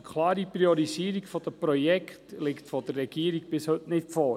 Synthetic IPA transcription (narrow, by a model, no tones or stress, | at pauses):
kʰlɑːɾiprioɾisiːɾɪkfɔd̥əprojɛktlɪktfɔdərɛɡiːəɾɪkb̥ɪshɵtnɪtfoː